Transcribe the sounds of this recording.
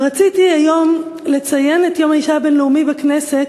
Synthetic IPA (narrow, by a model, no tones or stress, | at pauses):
ʁat͡sitiajo̞mle̞t͡saje̞netjo̞maiʃabe̞nleumibakne̞se̞t